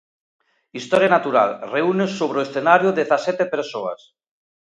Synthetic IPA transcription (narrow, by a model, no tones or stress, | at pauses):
ist̪ɔɾjanat̪uɾa̰lreunesoβ̞ɾeoesθenaɾjoðeθasɛt̪epeɾsoa̰s